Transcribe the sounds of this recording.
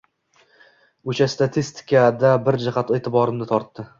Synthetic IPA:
ʊt͡ʃast̪ʰat̪ʰist̪ʰɪ̥kʲʰad̪abɪɾd͡ʒaχat̪e̞ːt̪ʰɪbɒɾɪmnɪt̪ʰɒɾt̪ːɪ

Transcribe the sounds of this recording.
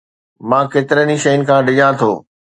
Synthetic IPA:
mãːkeːt̪ɪɾəniʃɐjʊnɪ̆kʰãːɖɪʄãt̪ʰoː

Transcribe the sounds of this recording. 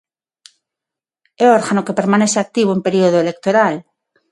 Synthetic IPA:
eoɾɣanoke̞pe̞ɾmane̞seak̚t̪iβoempe̞ɾioð̞oele̞k̚t̪oɾal

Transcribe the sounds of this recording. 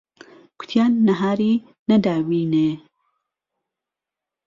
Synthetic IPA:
kʊ̥t̪ʰjaːnːɐɦaːɾiː | nɐd̪aːbiːne

